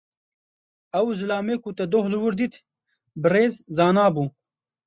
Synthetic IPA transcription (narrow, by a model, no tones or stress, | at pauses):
ɐwzɨlaːmeːkut̪ɐd̪ohlɨwɨɾd̪it̪ʰ | bɨreːzzaːnaːbuː